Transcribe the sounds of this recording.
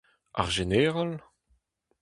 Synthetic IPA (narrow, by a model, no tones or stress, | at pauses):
a̰ʁʒeneːʁal